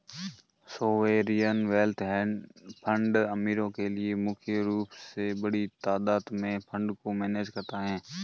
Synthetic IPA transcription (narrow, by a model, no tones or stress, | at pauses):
soːʋeːɾijənʋeːlt̪ʰɦɛːpʰə̃ɳɖɐmiːɾõkelɪemʊkʰjəɾuːpsebɐɽit̪aːd̪aːd̪mẽpʰə̃ɳɖkomɛːneːd͡ʒkɐɾt̪aɦɛ̃ː